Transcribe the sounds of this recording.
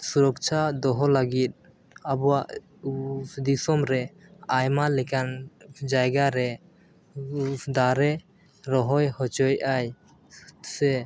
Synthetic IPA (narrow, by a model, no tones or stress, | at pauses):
suɾɔk̚t͡ʃʰad̪ɔɦɔlaɡit̪̚ | abɔwaʔ | d̪isɔmɾɛajmalɛkand͡ʒajɡaɾɛ | d̪aɾɛ | ɾɔɦɔjhɔt͡ʃɔjʔaj | sɛ